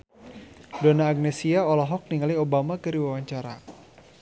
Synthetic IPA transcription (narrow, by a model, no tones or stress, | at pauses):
dɔnaːɡ̚nɛsiaɔlɔɦɔk̚niŋaliobamakəɾiwawaɲt͡ʃaɾa